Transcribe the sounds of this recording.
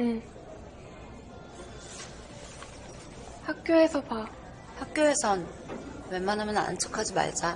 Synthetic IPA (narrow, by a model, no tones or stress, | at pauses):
hak̚k͈joe̞sʰʌpa | hak̚k͈joe̞sʰʌn | wenmanɦamjʌna̰nt͡ɕʰɯ̥kʰad͡ʑima̰ɭd͡ʑa